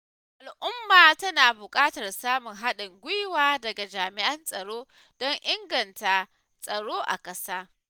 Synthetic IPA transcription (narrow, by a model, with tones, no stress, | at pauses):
ʔa˨lʔʊ˦mːaː˨tɐ˦naː˨bʊ˨kʼaː˦tɐ˨rsaː˦mʊ˨ŋɦa˦ɗɪ˨ŋɡʷʊ˦jwaː˦dɐ˨ɡa˨d͡ʒaː˨mɪ˨ʔɐ˦nsʼɐ˨ɽoː˦ | d̥ɔ˦ŋʔɪ˦ŋɡɐ˨nta˨ | sʼɐ˨ɽoː˦ʔa̰˨kʼɐ˦saː˦